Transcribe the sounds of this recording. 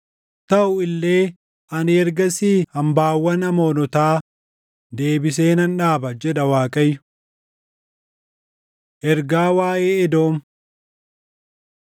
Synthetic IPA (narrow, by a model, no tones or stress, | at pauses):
t̪ɐʔʊɪlːe̞ː | ʔɐnɪɛɾɡɐsiːhɐmbaːwːɐnɐmoːnɔt̪aː | d̪e̞ːbɪs̬e̞ːnɐnᶑaːbɐd͡ʒɛᶑɐwaːkʼɐjːʊ̥ | ʔɛɾɡaːwaːʔeːɛd̪o̞ːm